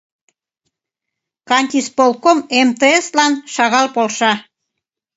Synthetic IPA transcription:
kɑnʲt̪ʲispolˠkomemt̪eeslɑnʃɑɣɑlpolʃɑ

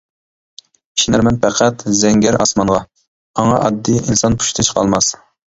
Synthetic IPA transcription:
i̥ʃinæɾmɛnpʰæqʰæt̪zɛŋɡʲɛɾɑsmɑnʁɑ | ɑŋɑʔɑd̪ːiʔinsɑnpʰu̥ʃt̪ʰɨt͡ʃʰqʰɑ̰lˠmɑs

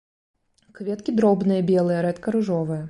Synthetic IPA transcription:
kvʲɛt̪kʲid̪ɾɔbnɨjɐbʲɛlˠɨjɐɾɛt̪kɐɾuʐɔvɨjɐ

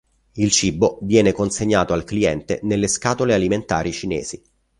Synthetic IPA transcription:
ilt͡ʃibːovjɛːnekonseɲːaːt̪oalkliɛnt̪ḛnelːeskaːt̪olealiment̪aːɾit͡ʃinɛ̰ːz̥i

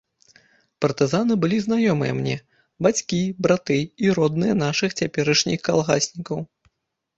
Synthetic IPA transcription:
pɐrt̪ɨzanɨbɨlʲiznajɔmɨ̰jɐ̰mnʲɛ | bat͡sʲkʲibɾat̪ɨiɾɔd̪̚nɨjɐnaʂɨxt͡sʲapʲɛɾɐʂnʲixkalˠɣasʲnʲikɐw

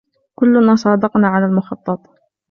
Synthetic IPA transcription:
kʊlːnaːsˤɑːd̪ɑqnaʕalalmʊxɑt̪ˤːɑt̪ˤ

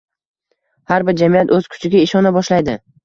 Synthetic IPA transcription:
haɾbɪɾd͡ʒamijat̪ɵz̥kʰʊ̥t͡ʃʰɪɡʲaɪʃɒnabɒʃlajd̪ɪ

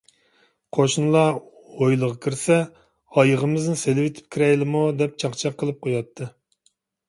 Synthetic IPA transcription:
qʰoʃnlˠɑ | ojlˠəʁɑkʲʰiɾsɛ | ɑjəʁəmɨznɪselɪwɪt̪ʰɪ̥p̚kʲiɾɛjlɪmud̪ɛp̚t͡ʃʰɑχt͡ʃʰɑqʰːəlˠɨp̚qʰojɑt̪ʰːɨ

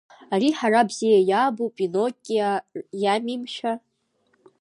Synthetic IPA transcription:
ariħarabzejajabupʼinokʲʼːjamimʃa

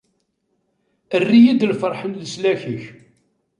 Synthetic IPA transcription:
ərːijid̪lfəɾˤħənləslæçəç

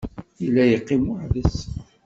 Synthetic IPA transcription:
ilːæjəqːimʊʕðəs

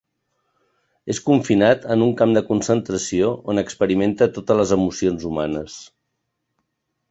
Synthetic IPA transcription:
eskuɱfinat̪ənuŋkamd̪əkunsənt̪ɾəsioonəkspəɾiment̪ət̪ot̪ələzəmusionzumanəs

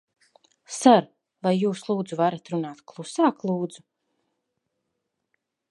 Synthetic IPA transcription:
saɾ | vajːuːslˠuːd̪zuvaɾat̪ɾunaːt̪klˠusaːklˠuːd̪zu

